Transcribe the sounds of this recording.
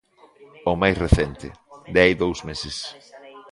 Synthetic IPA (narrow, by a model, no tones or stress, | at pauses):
omajsreθɛnt̪ɪ̰d̪ajðowsmesɪs